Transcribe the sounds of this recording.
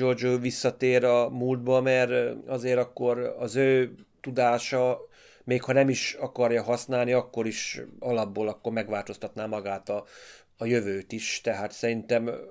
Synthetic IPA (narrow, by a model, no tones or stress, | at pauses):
d͡ʒord͡ʒoːʋisːɒt̪eːɾɒmuld̪̚bɒmɛrɒzeːɾɒkːo̞ɾɒzøːt̪ud̪aːʃɒ | meːkhɒnɛmiʃɒkɒrjɒɦɒsnaːlniɒkːo̞ɾiʃɒlɒbːoːlɒkːo̞rmɛɡʋaːlt̪o̞st̪ɒt̪naːmɒɡaːt̪ɒː | jøvøːt̪iʃt̪ɛɦaːt̪sɛɾint̪ɛm